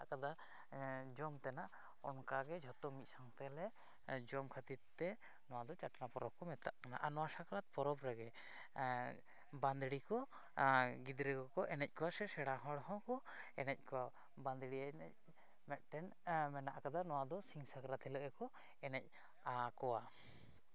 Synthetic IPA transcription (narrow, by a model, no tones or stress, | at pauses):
aʔkad̪a | d͡ʒɔmt̪ɛnaʔ | ɔnkaɡɛd͡ʒʱɔt̪ɔmit̪̚saŋt̪ɛlɛ | d͡ʒɔmkʰat̪it̪ːɛ | nɔwad̪ɔt͡ʃaʈanapɔɾɔp̚kɔmɛt̪aʔkana̰ʔanɔwasakɾat̪̚pɔɾɔpɾaɡɛ | band̪ɽikɔ | ɡid̪ɾɛɡɔkɔʔɛnɛc̚ˀkɔwasɛsɛɽaɦɔɽɦɔ̃kɔ | ɛnɛc̚ˀkɔa | band̪ɽianɛc̚ | mɛʔ̪̚ʈɛn | mɛnaʔakad̪anɔwad̪ɔsiŋsakɾat̪ʰɛləʔɛkɔ | ɛnɛc̚ | akɔwa